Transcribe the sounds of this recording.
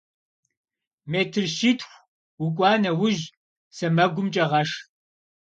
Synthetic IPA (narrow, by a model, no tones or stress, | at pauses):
meːtʰɨrʃitʰxʷ | wʊkʷʼɑːnɐwʊʒ | sɐmɐɡʷʊmt͡ʃʼɐʁɐʂ